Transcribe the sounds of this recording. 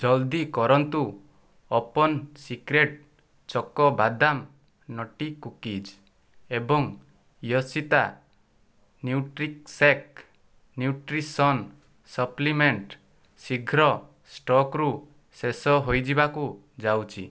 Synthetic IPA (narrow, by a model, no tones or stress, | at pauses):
d͡ʒɔld̪ikɔɾɔnt̪u | ɔpɔnsikɾeʈ̚ | t͡ʃɔkɔbad̪am | nɔʈikukid͡ʒ | ebɔŋ | jɔsit̪a | njuʈɾik̚sek̚ | njuʈɾisɔn | sɔplimeɳʈ | siɡʱɾɔ | sʈɔkɾu | sesɔɦojd͡ʒibaku | d͡ʒawt͡ʃʰḭ